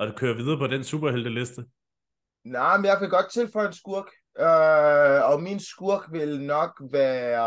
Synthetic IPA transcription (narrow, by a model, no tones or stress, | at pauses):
ɒd̥kʰøːɐʋið̞ˠɐpʰɒ̽d̥ensṵːb̥ɐɦeld̥əlesd̥ə | nɑɪmnjɑ̈ɪkeɡ̥ɒ̽d̥̚t͡sʰe̝lfɒ̽ɪensɡ̥uɐɡ̥ | ø | ɒ̽minsɡ̥uɐ̰ɡ̥ʋe̝lnɒ̽ɡ̥ʋæɐ